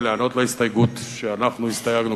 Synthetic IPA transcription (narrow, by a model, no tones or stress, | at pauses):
leano̞t̪leist̪ajɡut̪ʃeanaχnuist̪ajaɡnu